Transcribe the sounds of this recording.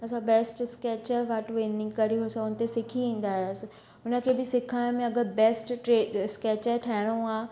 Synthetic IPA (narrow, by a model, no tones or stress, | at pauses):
ɐsãbɛːsʈskeːt͡ɕəɾʋaʈʋẽːnɪ̃ŋɡkɐɾiɦosaʊnə̆t̪esɪkʰiʋĩːn̆d̪aːɦjəsɪ | ʊnə̆kʰeːbɪsɪkʰaːɪ̃mẽɐɡəɾbɛːsʈʈeːskeːt͡ɕəʈʰaːɦɪɽ̃ũaː